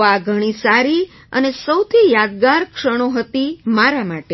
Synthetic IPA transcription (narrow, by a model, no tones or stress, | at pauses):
aɡʱəɽ̃isaɾi | ə̰nesəwt̪ʰijad̪̚ɡaɾkʂəɽ̃oɦət̪imaɾamaʈe